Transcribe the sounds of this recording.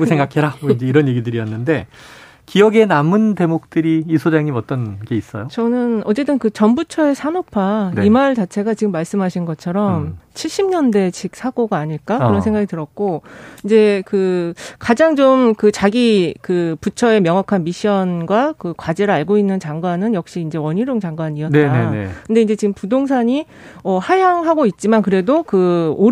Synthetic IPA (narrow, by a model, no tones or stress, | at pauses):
usʰeŋɡakʰeɾamoind͡ʑe̞iɾʌnje̞ɡidɯɾiʌnːɯnde̞ | kijʌɡe̞namɯnte̞mok̚t͈ɯɾiːsʰod͡ʑaŋimʌt͈ʌnɡe̞is͈ʌjot͡ɕʌnɯnʌt͡ɕ͈e̞t͈ɯnkɯt͡ɕʌnbut͡ɕʰʌe̞sʰanopʰanimaɭt͡ɕat͡ɕʰe̞ɡat͡ɕiɡɯmːaɭs͈ɯmɦaɕʰinɡʌt͡ɕʰʌɾʌmt͡ɕʰiɭɕ͈imɲʌnde̞t͡ɕʰik̚sʰaɡoɡaːɲiɭk͈akɯɯɾʌnsʰe̞ŋɡaɡitɯɾʌt̚k͈oind͡ʑe̞kɯkad͡ʑaŋt͡ɕomkɯt͡ɕaɡikɯput͡ɕʰʌe̞mjʌŋɦakʰanmiɕʰiʌnɡwakɯkwad͡ʑeɾɯɭaɭɡoinːɯnt͡ɕaŋɡwanɯnjʌk̚ɕ͈iːnd͡ʑe̞wʌɲiɾjoŋt͡ɕaŋɡwaɲiʌt͈ːa̰kʰɯnde̞ind͡ʑe̞t͡ɕiɡɯmpudoŋsʰaɲi | ʌhajaŋɦaɡoit̚t͡ɕ͈imankɯɾe̞dokɯo